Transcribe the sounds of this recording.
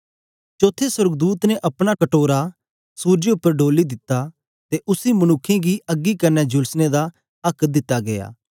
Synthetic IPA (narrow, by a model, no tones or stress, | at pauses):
t͡ʃoːt̪ʰːeswəɾɡd̪uːt̪nẽʔɐpɽ̃akɐʈoːɾa | suːɾd͡ʒeʊpːəɾɖoːlid̪ɪt̪ːa | t̪eʔʊsimɐnʊkʰːẽɡiɐɡːikɐɾnɛd͡ʒʊlsned̪a | ɐkʰd̪ɪt̪ːaɡeja̰ː